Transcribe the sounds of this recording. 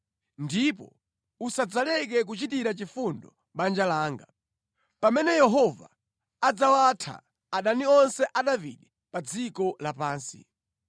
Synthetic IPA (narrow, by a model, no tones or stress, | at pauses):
ndipɔ̰ | usad͡zalɛk̬ɛk̬ut͡ʃitiɾat͡ʃifundɔ | ɓand͡ʒalaːŋɡa | pamɛnɛjɛɦɔva̰ | ad͡zawatʰa̰ | aɗaniɔnsɛʔaɗavḭɗi | pad͡zikɔlapaːnsḭ